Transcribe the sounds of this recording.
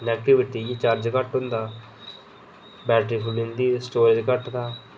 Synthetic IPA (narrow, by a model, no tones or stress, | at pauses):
nɛːkʈɪʋɪʈiːɡiːt͡ʃaːɾd͡ʒkəʈɦʊ̃nd̪aː | bɛːʈifʰulɪ̃nd̪iːsʈoːɾd͡ʒkəʈd̪aː